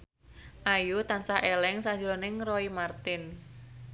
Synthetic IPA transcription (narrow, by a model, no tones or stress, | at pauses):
ʔajut̪ansahʔelɛŋsḁd͡ʒuɾonɪŋrɔimart̪ɪn